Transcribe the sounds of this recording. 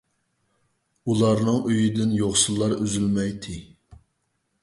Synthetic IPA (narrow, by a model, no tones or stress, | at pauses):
ulˠɑɾnɨŋøjid̪ɪnjoχsulˠːɑɾøzylmɛjt̪ʰɪ